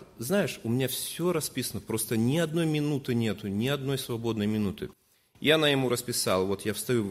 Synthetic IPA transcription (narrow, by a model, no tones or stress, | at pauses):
znajɪʂʊmʲɪnʲafsʲoɾɐspʲisənəpɾo̞st̪ənʲɪɐd̪no̞jmʲɪnut̪ɨnʲe̞t̪ʊnʲɪɐd̪̚no̞jsvɐbo̞d̪nəjmʲɪnut̪ɨ | janajɪmuɾəspʲɪsɑ̰lˠvo̞t̪jafst̪ɐjʲu